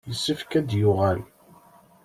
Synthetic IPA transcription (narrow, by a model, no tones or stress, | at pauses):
jəsːifkæd̪jʊʁæl